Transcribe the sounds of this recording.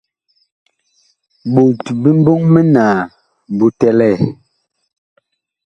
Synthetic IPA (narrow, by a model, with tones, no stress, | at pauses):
ɓu˨tbi˦m̩˦bo˦ŋmɛ˦naː˨ | bu˦tɛ˦lɛ˦˨